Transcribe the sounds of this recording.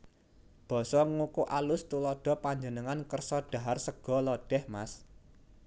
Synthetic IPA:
b̥ɔ̤sɔŋukuʔalʊst̪ulɔɖ̥ɔ̤paɲd͡ʒənəŋankərsɔɖ̥a̤ɦarsəɡ̥ɔ̤lɔɖ̥ɛhmas

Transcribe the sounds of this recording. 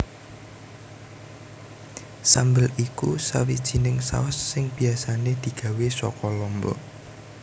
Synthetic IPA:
sambəlikusa̰wid̥ʒ̥i̤nɪŋsa̰ʊsːɪŋb̥i̤asaned̪̥i̤ɡ̥ä̤wesɔkɔlɔmbɔ̰

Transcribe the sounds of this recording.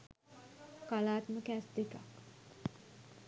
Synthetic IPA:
kalaːt̪məkæːsd̪eka̰k

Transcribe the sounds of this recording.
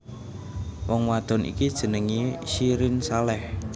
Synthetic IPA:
wɔŋwad̪̥ɔ̤nʔḭkid̥ʒ̥ə̤nəŋiʃiɾɪnsalɛh

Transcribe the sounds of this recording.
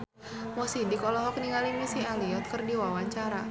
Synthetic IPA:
mɔsidikɔlɔɦɔk̚niŋalimisialiɔt̪̚kɨrdiwawaɲt͡ʃaɾa

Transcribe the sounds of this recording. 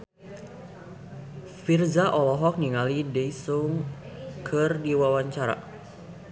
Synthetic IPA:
firzaʔɔlɔɦɔk̚niŋalidɛisuŋkʰɨrdiwawaɲt͡ʃaɾa̰

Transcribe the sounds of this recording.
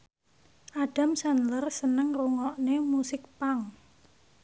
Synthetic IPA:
ʔaɖ̥a̤msanlərsənəŋruŋɔʔnemusɪk̚paŋ

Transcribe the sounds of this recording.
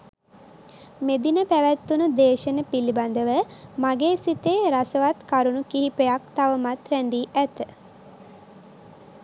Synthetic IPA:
med̪inəpæʋæt̪ːunud̪eːʃənəpiliband̪əʋəmaɡeːsit̪eːɾasəʋat̪kaɾunukiɦipejak̚t̪aʋəmat̪ɾænd̪iːʔæt̪ə

